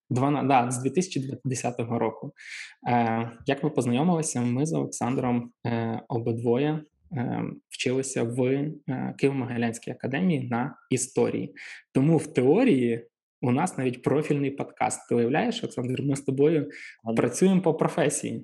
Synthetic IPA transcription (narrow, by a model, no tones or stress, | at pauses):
d̪ʋɐnd̪ɑzdʲʋʲit̪ɪsʲɐ̥t͡ʃid̪ʋɐd̪esʲat̪ɔɦɔɾɔkʊ | jɐkmɪpɔznɐjɔmɪlˠɪsʲɐmɪzɔlˠeksɑnd̪ɾɔm | ɔbɪd̪ʋɔjɛ | wt͡ʃɪlˠɪsʲɐʋ | kɪʋɔmɐɦɐlʲɛnʲsʲkijɐkɐd̪ɛmʲijinɐist̪ɔ̰ɾʲḭjḭt̪ɔmuwt̪eɔɾʲiji | ʊnɑsnɑʋʲitʲpɾɔfʲilʲnɪjpɔd̪kɑ̰st̪ːɪʊjɐwlʲajeʃɔlˠɛksɑnd̪ɾmɪst̪ɔbɔjʊpɾʔɐt͡sʲujempɔpɾɔfɛsʲḭjḭ